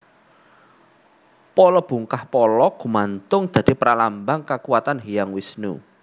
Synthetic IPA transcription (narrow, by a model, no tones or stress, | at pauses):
pɔlɔb̥ṳŋkahpɔlɔɡ̥ṳmant̪ʊŋd̪̥ä̤d̪̥i̤pɾalambaŋkakuwat̪anɦijaŋwisnṵ